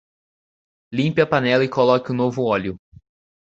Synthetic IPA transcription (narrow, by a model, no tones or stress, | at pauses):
lĩmpɪɐpanɛlɐɪkolɔkɪʊnovʊɔlʲjʊ